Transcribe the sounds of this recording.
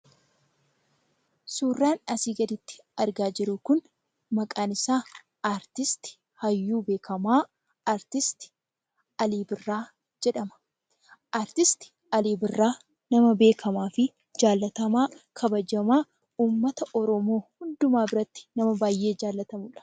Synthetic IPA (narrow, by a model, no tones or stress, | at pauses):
suːrːaːnɐsiːɡɐd̪ɪt̪ːɪ̥ | ɐɾɡaːd͡ʒɪɾʊkʊn | mɐkʼaːnɪsaː | aːɾt̪ɪst̪ɪ̥ | hɐjːuːbe̞ːkʰɐmaː | aɾt̪ɪst̪ɪ̥ | ɐliːbɪrːaː | d͡ʒɛᶑɐmɐ̥ | ʔaːɾt̪ɪst̪ɪ̥ | ɐliːbɪrːaː | nɐmɐbe̞ːkʰɐmaːfɪ | d͡ʒaːlːɐt̪ɐmaːkʰɐbɐd͡ʒɐmaː | uːmːɐt̪ɐʔɔɾɔmo̞ːhʊnd̪ʊmaːbɪɾɐt̪ːɪ̥nɐmɐbaːjːe̞ːd͡ʒaːlːɐt̪ɐmʊᶑɐ̥